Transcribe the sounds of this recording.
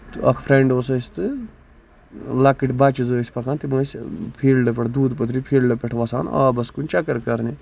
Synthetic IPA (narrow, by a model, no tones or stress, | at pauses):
t̪ɨɐ̰kʰfʰɾeɳɖoːsɐsʲt̪ɨ | lɐkiʈbat͡ʃizəːsʲpɐkʰant̪iməːsʲpʰiːlɖɐpʲɐʈʰd̪uːd̪pɐt̪ʰɾipʰiːlɖɐpʲɛʈʰʋɐsaːna̰ːbɐskunʲt͡ʃɐkɐɾkɐɾni